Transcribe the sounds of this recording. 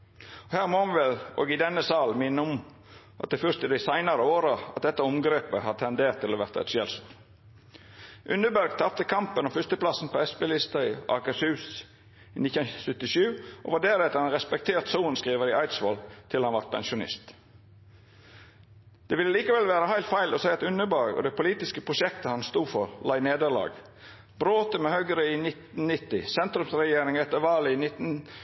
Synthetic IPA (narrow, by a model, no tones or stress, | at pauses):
ɔhæːʁmɔɑnʋɪʋɛlʔo̰ːɡɪd̪ɛnːəsɑːlmɪnːəʊm | ʔɑt̪̚d̪ɛɪfʏɾst̪əd̪æɪsæɪnɑɾəoːɾəɑ̰t̪̚d̪ɛt̪ːɑʊmɡɾeːpəhɑdt̪ʰɛnd̪eːɾt̪ʰːɪloːʋæʁt̪ʰɑɛ̰t̪ʃjɛlsʊɾ | ʔʉnəbœɾɡt̪ʰɑp̚t̪əkʰɑmpənɔfʏst̪əplɑsn̩poːɛsbeːlɪst̪ɑɪɑ̰ːkɑsʉːs | inɪt̪ːnsʏt̪ːɪʃʉːʔɔ̰ʋɑd̪ɛɾɛt̪ːəɾhɑnɾɛspɛk̚t̪ʰeːɾt̪suːənskɾiːʋəɾɪɑɪsʋɔ̰lt̪ʰɪlhɑnʋɑɾt̪̚pʰɛ̰nʃʊnɪ̰st̪ | d̪̥ɛʋɪlːəliːkəʋɛlʋæːɾəhæɪlfæɪlɔsæɪɑt̪ʉnːəbɑːɡɔ̰d̪ɛpʰʊliːt̪ɪskəpʰɾʊʃɛkt̪əhɑnst̪uːfɔɾlɑɪneːd̪əʁlɑ̰ːɡ | bɾoːt̪əmɛːhœɡəɾəinɪt̪n̩nɪt̪ːɪsɛnt̪ɾʉmsɾɛjeːɾɪŋɛt̪ːəʋɑːləɪnɪt̪n̩